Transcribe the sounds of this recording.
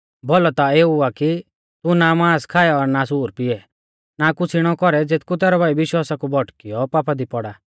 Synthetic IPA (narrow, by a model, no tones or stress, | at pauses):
bɔlɔt̪aeːuaki | t̪unamaːskʰaːjɛɔɾnas̬uːɾpɪɛ | nakʊt͡sʰiɽ̃ɔkɔɾɛd͡zet̪kut̪ɛːɾɔbʱaːibɪʃwaːsakubʱɔʈkijɔpaːpʰad̪ipɔɽaː